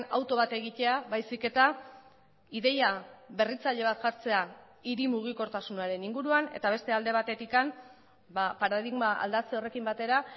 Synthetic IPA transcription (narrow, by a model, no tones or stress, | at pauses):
a̰wt̪o̞βat̪e̞ɣit̪e̞aβajsike̞t̪a | iðe̞jaβe̞rit͡saʎe̞β̞at̪ʝaɾt͡se̞a | iɾimuɣ̞iko̞ɾt̪asunaɾe̞niŋɡuɾuane̞̰t̪aβ̞e̞st̪e̞ald̪e̞β̞at̪e̞t̪ikam | bapaɾaðiɣmaa̰ld̪at͡seo̞re̞kimbat̪e̞ɾa